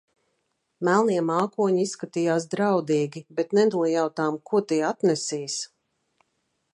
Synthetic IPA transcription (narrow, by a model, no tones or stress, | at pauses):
mælˠniɛmaːkuɔɲiisːkat̪ijaːsd̪ɾawd̪iːɡʲibɛt̪nɛd̪uijawt̪aːmkuɔt̪iːat̪nɛsiːs